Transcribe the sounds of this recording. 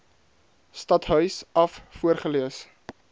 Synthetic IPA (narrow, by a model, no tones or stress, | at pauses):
stɐtɦœɥsɐffuərχəliəs